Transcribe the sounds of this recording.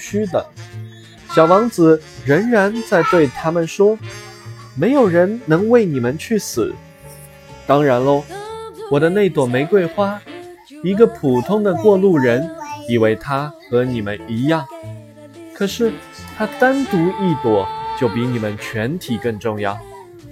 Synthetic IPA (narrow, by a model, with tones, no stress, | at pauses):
t͡ɕʰy˥d̪ə̰˨˩ | ɕjɑ˨˩ʊwɑ˧˥ŋt͡sɹ̩˨˩ɻə˧˥ŋɻa˧˥nt͡sa˥˧ɪt̪we˥˩ɪt̪ʰa˥mə˨nʂwɔ˥ | me˧˥ɪjo˨˩ʊɻə˧˥nnɤ˧˥ŋwe˥˩ɪni˨˩mə˦nt͡ɕʰy˥˩sɹ̩̰˨˩˦ | t̪ɑ˥ŋɻa˧˥nlə˧˩wɔ˨˩d̪ə˦ne˥˩ɪt̪wɔ˨˩me˧˥ɪkwe˥˧ɪxwa˥ | i˧˥ɡə˧pʰu˨˩t̪ʰʊ˥ŋd̪ə˨kwɔ˥˧lu˥˩ɻə˧˥ni˨˩we˥˩ɪt̪ʰa˥xɤ˧˥ni˨˩mə˦ni˧˥jɑ˥˩ŋ | kʰɤ˨˩ʂɻ̩˥˩ | t̪ʰa˥t̪a˥nt̪u˧˥i˥˩t̪wɔ˨˩t͡ɕjo˥˩ʊpi˧˥ni˨˩mə˦nt͡ɕʰɥɛ˧˥nt̪ʰi˨˩kɤ˥˧ŋʈ͡ʂʊ˥˧ŋjɑ˥˩ʊ